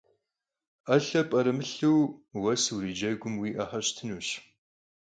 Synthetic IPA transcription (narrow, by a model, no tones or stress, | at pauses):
ɐɬɐpʼɐɾɨmɨɬɨwwɐswɾiːd͡ʒɐɡʷʊmwiːʔɐħɐɕtʰɨnuːɕ